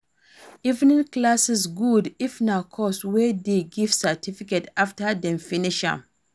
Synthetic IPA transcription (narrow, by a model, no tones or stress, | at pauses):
ivnĩnklasisɡudifnakʰɔswɛdeɡiv̥satʰifiketaftədɛ̃mfiniʃã̰m